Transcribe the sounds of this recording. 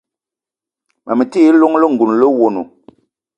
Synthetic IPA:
ma˨mɛ˨ti˦lo˦ŋlə˦ŋ̩˨ɡu˨n˨lə˦wo˨nṵ˨

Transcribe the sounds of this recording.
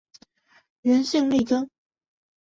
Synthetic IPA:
ɻə˧˥nɕi˥˧ŋle˥˩kə˥ŋ

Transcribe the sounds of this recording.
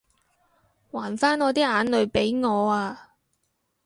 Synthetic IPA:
waː˨˩nfaː˥nŋɔː˨˧t̪iː˥aː˨˧˥nlɵ˨˧ɥpe˨˥jŋɔː˨˧aː˧

